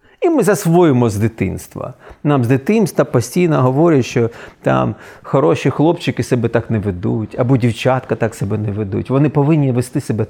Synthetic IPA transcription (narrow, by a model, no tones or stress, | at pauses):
imɪzɐsʋɔjɪmɔzd̪ɪt̪ɪ̰nst̪ʋɐ̰namzd̪ɪt̪ɪnst̪ʋɐpɔsʲtʲijnɔɦɔʋɔɾʲɪʃt͡ʃɔt̪ɑ̰mxɔɾɔʃixlˠɔpt͡ʃɪkɪsɛbɛt̪ɑknɛʋed̪utʲɐbɔdʲiwt͡ʃat̪kɐt̪aksɛbɛnɛʋed̪ṵtʲʋɔnɪpɔʋɪnʲːiʋest̪ɪsebɛ